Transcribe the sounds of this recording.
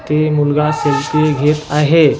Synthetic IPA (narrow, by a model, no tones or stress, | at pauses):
t̪emulɡasəjk̪eɡʱet̪aɦe